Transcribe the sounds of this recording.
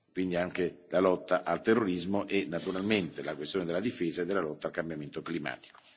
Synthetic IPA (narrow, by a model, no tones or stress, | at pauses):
kwind̪iaŋkelalɔt̪ːaʔalt̪erːoɾizmoʔenːat̪uɾalment̪elakwest̪joned̪elːad̪ifeːzaed̪ːelːalɔt̪ːaːlkambjament̪oklima̰ːt̪i̥ko̥